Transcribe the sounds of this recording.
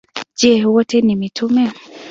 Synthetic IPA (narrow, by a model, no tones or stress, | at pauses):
d͡ʒɛwɔtʰɛnimitʰumɛ